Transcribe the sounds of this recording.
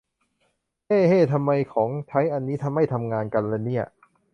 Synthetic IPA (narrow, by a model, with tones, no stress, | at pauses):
heː˥˩heː˥˩t̪ʰa˧mːa˧jkʰɔː˩˦ŋt̪ʰa˦˥jʔa˧nːiː˦˥t̪ʰa˧mːa˥˩jt̪ʰa˧mŋaː˧nka˧nleː˧˩nːi˦˥˩ɐʔ